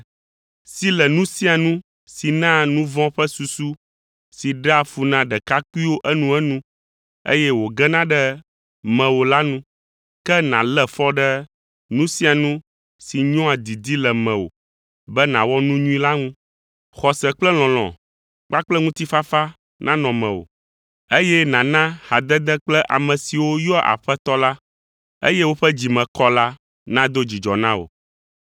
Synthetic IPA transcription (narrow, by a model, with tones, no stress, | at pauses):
si˦lɛ˨nũ˦sĩ˦a˨nũ˦ | si˨nã˦nũ˦vɔ̃˦ɸɛ˦su˨su˦ | si˨ɖa˨fu˨nã˨ɖɛ˨ka˦ku˦i˦wo˦ʔɛ˦nũ˦ɛ˦nũ˦ | ḛ˦jɛ˦wo˨ɡɛ˦nã˦ɖɛ˦ | mɛ̃˨wo˨la˦nũ˦ | kɛ˦nã̰˨lɛ˦fɔ˦ɖɛ˦ | nũ˦sĩ˦a˨nũ˦ | si˨ɲɔ̃˦a˨d̪i˨d̪i˦lɛ˨mɛ̃˨wo̰˨ | bɛ˦nã˨wɔ˦nũ˦ɲũ˦ĩ˦la˦ŋũ˦ | xɔ˨sɛ˨k͡plɛ˦l̃ɔ̃˨l̃ɔ̰̃˨ | k͡pa˦k͡plɛ˦ŋũ˦t̪i˦fa˦fa˦ | nã̰˦nɔ̃˨mɛ̃˨o̰˨ | e˦jɛ˦nã˨nã˦ha˨d̪ɛ˦d̪ɛ˦k͡plɛ˦ʔa̰˨mɛ̃˨si˨wo˦jɔ˦ʔa̰˨ɸɛ˦t̪ɔ˦la˦ | ḛ˦jɛ˦wo˦ɸɛ˦d͡ʑi˨mɛ̃˨kɔ˦la˦ | nã˦d̪o˦d͡ʑi˨d͡ʒɔ˨nã˦o̰˨